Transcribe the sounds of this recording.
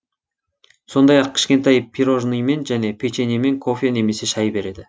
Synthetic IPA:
so̞nd̪ɑjɑq̚kʲʰɪ̥ʃkʲe̞nt̪ɑjpʲʰiɾo̞ʒnijme̞nʒæne̞pʰet͡ʃenime̞ŋkʰo̞fʲene̞me̞se̞ʃɑjbe̞ɾe̞d̪ɪ

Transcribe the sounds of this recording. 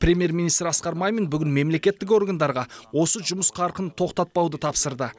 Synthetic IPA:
prʲe̞mije̞ɾminijst̪ɾɑsqɑɾmɑjmenbʏɡʲɪnme̞mle̞kʲe̞t̪ːɪko̞rɡand̪ɑɾʁɑwo̞səʒʊməsqʰɑɾqənt̪ʰo̞qt̪ɑt̪̚pɑwd̪ət̪ʰɑpsəɾd̪ə

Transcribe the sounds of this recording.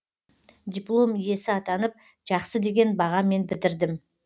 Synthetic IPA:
d̪ʲiplˠo̞mije̞sɪɑt̪ɑnəp̚ | ʒ̥ɑqsəd̪e̞ɡʲe̞nbɑʁɑme̞nbɪd̪ɪɾd̪ɪm

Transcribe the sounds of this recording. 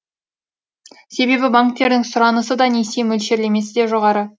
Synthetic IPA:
se̞be̞bɪbaŋk̚t̪ːe̞ɾd̪ɪŋsʊɾɑnəsəd̪ɑne̞semɵlʃe̞ɾle̞me̞sɪd̪eʒoʁɑɾə

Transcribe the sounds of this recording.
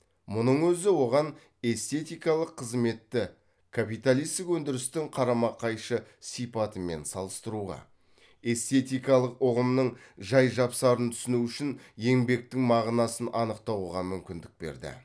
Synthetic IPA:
mʊnəɴwɵzɪwo̞ʁɑn | e̞st̪e̞t̪ijkɑlˠəqʰːəzme̞t̪ːɪ | kʰapijt̪alijst̪ɪkwɵnd̪ɪɾɪst̪ɪŋqʰɑɾɑmɑqʰɑjʃəsijpɑt̪əme̞̰nsɑlˠəst̪əɾuʁɑ̰ | e̞st̪e̞t̪ijkɑlˠəqoʁəmnəɴʒɑjʒɑpsɑɾənt̪ʰʏ̥sɪnuʏʃɪnje̞ŋbe̞k̚t̪ɪŋmɑʁnɑsənʔɑnəqt̪ɑwʁɑmʏmkʲɪnd̪ɪk̚be̞̰ɾd̪ɪ̰

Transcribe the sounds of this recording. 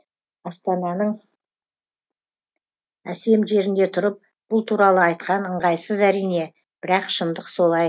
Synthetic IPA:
ɑst̪ɑnɑnəɴ | æse̞mʒe̞ɾɪnd̪e̞t̪ʰʊɾəp̚ | b̥ʊlˠt̪ʰuɾɑlˠəɑjt̪̚qɑnəɴʁɑjsəzæɾijne̞ | b̥ɪɾɑqʃənd̪əqso̞lˠɑj

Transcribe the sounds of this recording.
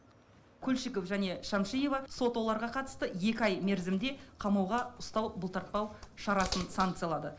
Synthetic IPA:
kʲʰɵlʲʃiko̞fʒæne̞ʃɑmʃije̞vɑso̞t̪wo̞lˠɑɾʁɑqʰɑt̪ə̥st̪əje̞kʲɪɑjme̞ɾzɪmd̪e̞qʰɑmɑwʁɑʊst̪ɑwbəlˠt̪ʰɑɾt̪̚pɑwʃɑɾɑsənsaŋkt̪sɨjɑlˠɑd̪ə

